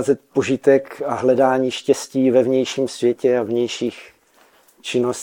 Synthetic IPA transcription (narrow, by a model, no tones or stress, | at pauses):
zɛt̪̚po̞ʒɪt̪ɛkaɦlɛdaːɲiːʃcɛsciːvɛvɲɛjʃiːmsvjɛcɛavɲɛjʃiːx | t͡ʃɪnos